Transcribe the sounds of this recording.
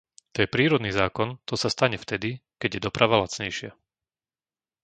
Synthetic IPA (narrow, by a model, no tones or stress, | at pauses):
t̪ɔjɛpɾiːɾɔd̪niːzaːkɔnt̪ɔsast̪aɲɛft̪ɛd̪ikɛɟjɛd̪ɔpɾʔaʋalat͡sɲɛjʃɪa